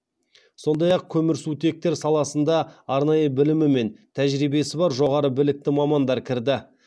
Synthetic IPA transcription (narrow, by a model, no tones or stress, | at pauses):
so̞nd̪ɑjɑq̚kʲʰɵmɪɾsut̪e̞k̚t̪e̞ɾsɑlˠɑsənd̪ɑɑɾnɑjəbɪlɪmɪme̞nt̪ʰæʒɾibe̞sɪbɑɾʒo̞ʁɑɾəbɪlɪk̚t̪ɪmɑmɑnd̪ɑɾkʲʰɪɾd̪ɪ